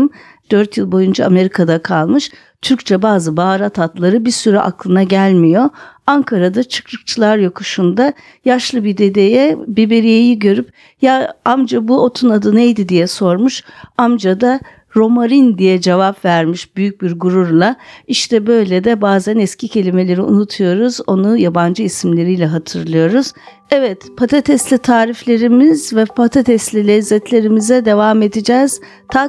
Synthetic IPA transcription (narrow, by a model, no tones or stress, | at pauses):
m | d̪̥øɾt̪jɯlˠbo̞jund͡ʒaame̞ɾikʰad̪akʰalˠmɯʃ | t̪ʰyɾc̚t͡ʃʰɛbaːzɯbaɾat̪ʰat̪lˠaɾɯbiɾsyɾɛʔa̰klˠɯnaɟælʲmijo̞aŋkʰaɾad̪at͡ʃʰɯ̥kɾɯk̚t͡ʃʰɯlˠaɾjokʰuʃund̪a | jaʃlˠɯbid̪e̞d̪ejɛbibe̞ɾijejiɟø̞ɾyp | jaamd͡ʒabuo̞t̪ʰunad̪ɯnejd̪id̪ijɛso̞ɾmuʃamd͡ʒad̪a | ɾo̞maɾind̪ijɛd͡ʒe̞vapvæɾmiʃbyjyc̚biɾɡuɾuɾlˠaiʃt̪ʰɛbø̞jlʲed̪ɛbaːzænɛscʰicʰe̞lʲime̞lʲe̞ɾiṵnut̪ʰujo̞ɾuzo̞nujaband͡ʒɯisimlʲe̞ɾijlʲɛɦat̪ʰɯɾlˠɯjo̞ɾuz̥ | ɛvɛt̪pʰat̪ʰat̪ʰɛslʲit̪ʰaːɾiflʲe̞ɾimiz̥vɛpʰat̪ʰat̪ʰɛst̪lʲilʲɛzːɛt̪lʲe̞ɾimizɛd̪e̞vame̞d̪id͡ʒɛːz̥ | t̪ʰa